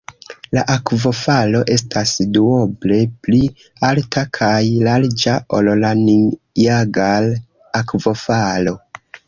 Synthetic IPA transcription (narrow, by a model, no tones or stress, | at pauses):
laʔakvo̞falo̞ʔe̞stʰasduoble̞pli | altʰakʰajlald͡ʒaʔollani | iaɡal | akvo̞falo̞